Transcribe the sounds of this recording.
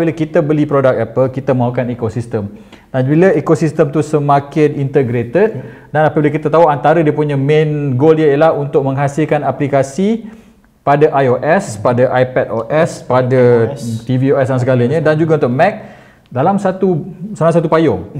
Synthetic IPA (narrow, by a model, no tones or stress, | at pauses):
biləkit̪əbəlipɾodak̚ɛpəlkit̪əmaukanekosist̪əm | danbiləekosist̪əmt̪usəmakɪnint̪əɡɾet̪ət̪̚ | danapabiləkit̪at̪auant̪aɾədiəpuɲamẽnɡoljajəlahunt̪ʊk̚mə̃ŋɦasɪlkanaplikasi | padaʔajoʔɛspadaʔajpɛt̪̚oʔɛspadat̪ivioɛsdansəɡalaɲə̃dand͡ʒuɡaunt̪ʊʔmɛk̚ | dalamsat̪usalas̬at̪upajʊŋ